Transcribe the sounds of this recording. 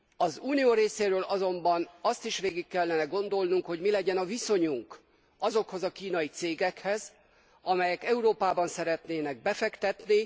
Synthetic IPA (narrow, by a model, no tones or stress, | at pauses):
ɒzuːnijoːɾeːseːɾøːlɒzo̞mbɒnɒst̪iʃʋeːɡikːɛlːɛnɛɡo̞nd̪o̞lnuŋkho̞ɟmilɛɟɛnɒviso̞ɲuŋk | ɒzo̞kho̞zɒkiːnɒjit̪seːɡɛkhɛz | ɒmɛjɛkɛuɾoːpaːbɒnsɛɾɛt̪neːnɛɡ̚bɛfɛkt̪ɛt̪ni